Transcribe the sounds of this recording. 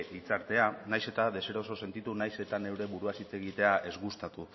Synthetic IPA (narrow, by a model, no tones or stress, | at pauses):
d̪it͡saɾt̪e̞anajse̞t̪aðe̞se̞ɾo̞so̞se̞nt̪it̪unajse̞t̪ane̞wɾe̞βuɾuasit͡se̞ɣit̪e̞aʔe̞zɣust̪at̪u